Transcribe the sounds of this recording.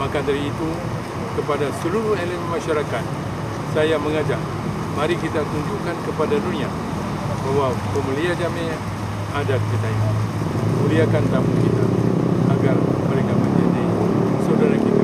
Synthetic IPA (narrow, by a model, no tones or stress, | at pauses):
makadaɾiːt̪u | kəpadasəluɾuheləmɛnmaʃaɾakat̪̚ | sajaməŋad͡ʒaŋ | maɾikit̪at̪uɲd͡ʒukankəpadadunia | bawapəməliad͡ʒameɲ | adadikədaja | muliakant̪amukit̪a̰aɡarməɾekaməd͡ʒadasawdaɾakit̪a